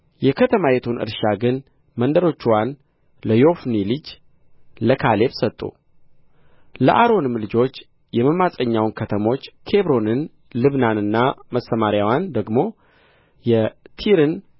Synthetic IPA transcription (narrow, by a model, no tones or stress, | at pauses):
jɛkʰət̪ʰəmajɛt̪ʰunʔɨ̰ɾʃaɡɨn | mənd̪əɾo̞t͡ʃːwan | ləjo̞fnilɨd͡ʒ | ləkʰale̞βsət̪ʼːṵ | ləʔaɾo̞nɨmlɨd͡ʒo̞t͡ʃː | jɛməmasʼəɲːawnkʰət̪ʰəmo̞t͡ʃːkʰe̞βɾo̞nɨn | lɨβnanɨnːaməsəmaɾjawand̪əɡmo̞ | jɛt̪ʰiɾɨn